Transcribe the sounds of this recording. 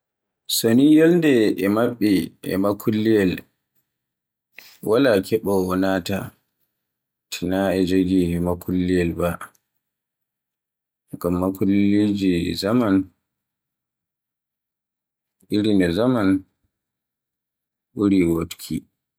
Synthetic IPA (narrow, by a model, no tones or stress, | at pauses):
sonijolndɛɛmaɓːiɛ̰makʰulːijɛl | wʔalakʰɛɓɔɔnata̰ | tʰinaɛd͡ʒoɡimakʰulːijɛlba | ɡamːakulːid͡ʒizaman | ʔiɾinɛzaman | ɓuɾiwotkʰi